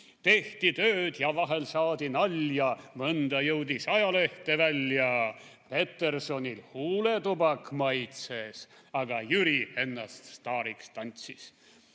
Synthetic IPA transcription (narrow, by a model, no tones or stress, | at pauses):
t̪e̞ht̪it̪øːd̪̥jɑvɑɦe̞lsɑːd̪̥inɑlʲjɑmɤnd̪̥ɑjɤwd̪ʲisɑjɑle̞ht̪e̞vælʲːjɑpe̞t̪ˑːe̞rso̞nʲilhuːle̞t̪ubɑkːmɑjt̪ses | ɑɡ̥ɑjyɾie̞nːɑst̪st̪ɑːɾikst̪ɑnʲt̪sis